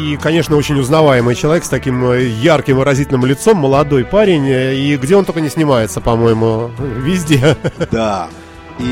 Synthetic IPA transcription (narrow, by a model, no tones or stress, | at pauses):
ikɐnʲe̞ʂnəo̞t͡ɕɪnʲʊznɐvajɪmɨjt͡ɕɪlˠɐvʲekst̪ɐkʲimjarkʲɪmvɨɾɐzʲitʲɪlʲnəmlʲɪt̪so̞mːəlˠɐd̪o̞jpaɾʲɪnʲiɡdʲeot̪okənʲɪsʲnʲɪmajɪt̪səpɐmo̞jɪmʊvʲɪzʲdʲe̞d̪a